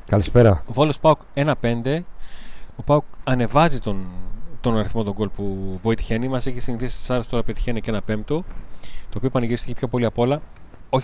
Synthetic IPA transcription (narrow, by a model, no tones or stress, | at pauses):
kɐlispeɾɐovolospɐuke̞nɐpe̞nd̪e̞ | opɐukɐne̞vɐzit̪ont̪o̞nɐɾiθmo̞t̪o̞ŋɡo̞lpuboit̪i̥çe̞nimɐsecesiniθisi̥st̪isɐɾest̪o̞ɾɐpet̪içenece̞nɐpe̞mp̚t̪o̞t̪oːpiopɐniʝiɾist̪i̥cepço̞po̞liɐpo̞lɐ | o̞ç